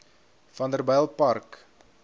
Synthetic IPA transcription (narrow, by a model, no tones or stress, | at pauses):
fɐndərbɛjlˠpɐrk